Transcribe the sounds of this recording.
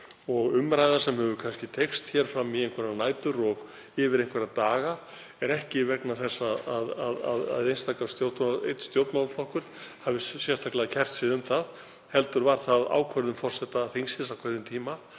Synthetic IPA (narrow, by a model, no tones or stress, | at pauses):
ɔɣʏmɾajðḁsɛmhɛvʏkʰanscɪt̪ʰejkst̪çɛɾ̥fɾamːieŋkʰvɛɾnaːjt̪ʏɾɔɣ | ɪvɪɾejŋkʰvɛɾɪðt̪aːɣa | ɛɾɛhcɪvɛknaθɛsːaaðaða̰ða̰ðejnst̪ʰakast̪jowt̪ejt̪st̪jowt̪nalflɔhkʏɾt̪havɪsjɛst̪ʰaklaðcʰɛr̥t̪sɪðʏmθað | hɛlt̪ʏɾvaɾ̥θaða̰ːwkʰœɾðʏmfɔr̥sɛht̪aθeŋsɪsawkʰvœɾðɪmt̪ʰiːma